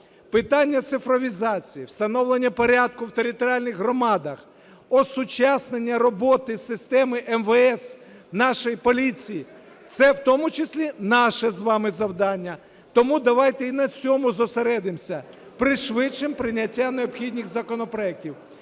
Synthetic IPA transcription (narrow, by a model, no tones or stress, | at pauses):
pɪt̪ɑnʲːɐt̪sɪfɾɔʋʲizɑt͡sʲijiwst̪ɐnɔwlˠenʲːɐpɔɾʲad̪̚kʊwt̪eɾʲɪt̪ɔɾʲalʲnɪɣɦɾɔmɑd̪ɐx | ɔsʊt͡ʃɑsnenʲːɐɾɔbɔt̪ɪsɪst̪ɛmɪʔɛmʋɛɛs | nɑʃɔjipɔlʲit͡sʲiji | t̪sɛwt̪ɔmʊt͡ʃɪsʲlʲinɑʃɛzʋɑmɪzɐwd̪ɑnʲːɐ | t̪ɔmud̪ɐʋɑjt̪ɛinɐt͡sʲɔmʊzɔseɾɛd̪ɪmsʲɐ | pɾɪʃʋɪt͡ʃːɪmpɾɪnʲɐtʲːaneɔpxʲid̪ʲnʲixzɐkɔnɔpɾɔɛk̚tʲiw